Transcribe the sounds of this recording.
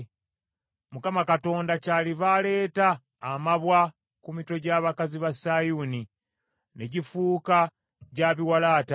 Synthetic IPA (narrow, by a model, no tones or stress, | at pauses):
mukamakato̞ːndacaːliβale̞ːtaː | maβwa | kumito̞ɟaːβakaziβasajuni | neɟifuːka | ɟaːβiwalaːta